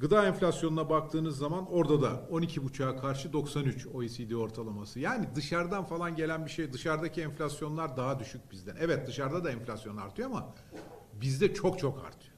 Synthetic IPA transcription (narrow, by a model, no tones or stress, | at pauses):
ɡɯd̪aːɛnfʲlʲasjonunabak̚t̪ʰɯːnɯzːamano̞ɾd̪ad̪ao̞nicʰibut͡ʃʰaːkʰaɾʃɯd̪o̞ksanyt͡ʃo̞jisijd̪io̞ɾt̪ʰalˠamasɯjaːnid̪ɯʃaɾd̪anfalˠanɟe̞lʲænbiʃejd̪ɯʃaɾd̪acʰiɛɱflʲasjo̞nlˠaɾd̪aɦad̪yʃyc̚bizd̪ænʔɛvɛt̪̚d̪ɯʃaɾd̪ad̪aɛnfʲlʲasjo̞na̰ɾt̪ʰɯjoama | bizd̪ɛt͡ʃʰo̞kt͡ʃʰo̞ka̰ɾt̪ʰɯ̥jo